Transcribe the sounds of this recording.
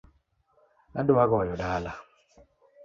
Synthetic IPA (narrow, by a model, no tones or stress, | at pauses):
naduwaɣɔjɔɗala